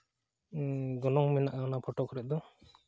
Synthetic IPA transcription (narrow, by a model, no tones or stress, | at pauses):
ɡɔnɔŋmɛnaʔawnapʰɔʈɔkʰɔɾɛd̪ɔ